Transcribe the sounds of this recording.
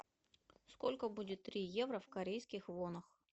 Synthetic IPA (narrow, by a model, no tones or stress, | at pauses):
sko̞lʲkəbudʲɪt̪ːɾʲijevɾəfkɐɾʲejskʲɪxvonəx